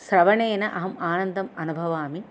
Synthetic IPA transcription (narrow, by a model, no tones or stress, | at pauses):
sɾɐʋɐɳeːnɐʔɐɦɐmaːnɐnd̪ɐmɐnubʱɐʋaːmi